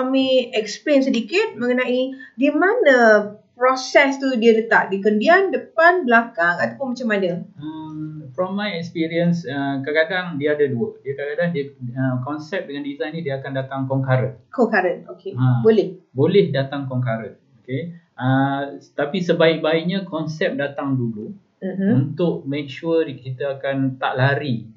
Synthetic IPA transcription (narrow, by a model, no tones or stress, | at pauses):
amiɛksplens̬ədikɪt̪̚məŋənãʔidiəmanəpɾɔsɛst̪udiələt̪aʔ̚dikəndiandəpanbəlakaŋat̪apʊnmat͡ʃamadaəmfɾɔmːajɛkspiɾiənsəkakadaŋdiaːdaduədiəkakadaŋdiəəkɔnsɛp̚dəŋandizajnĩdiəakandat̪aŋkɔŋkaɾəkɔŋkaɾənokeãbolɛhbolɛhdat̪aŋkɔŋkaɾənoke | ət̪apisəbaɪk̚baɪʔ̚ɲãkɔnsɛp̚dat̪aŋdulu | uunt̪ʊʔmɛk̚ʃuəkit̪əakant̪a̰ʔlaɾi